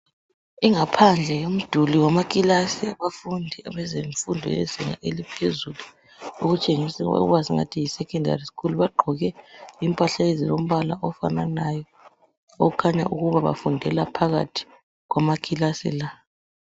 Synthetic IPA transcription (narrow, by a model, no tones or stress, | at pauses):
iŋapʰand͡ɮʱɛjom̩d̥ʱuliwamakʼilasɛβafundʱiaβɛzeɱfundʱɔ̰jɛ̰ziŋa̰ʔelipʰezulu | oɣut͡ʃʼeŋisɛ̰waziŋa̰tʰijisɛkɔndʱa̰riskuluβaɡ͡ǃʱɔɣɛimpʼaɬaezilom̩βalaʔɔfananajɔ | o̰ɣukʰaɲa̰ʔuɣuβaβa̰fundʱɛlapʰaɣa̰tʰi̥ | ɣwamakʰʼilasɛ̰la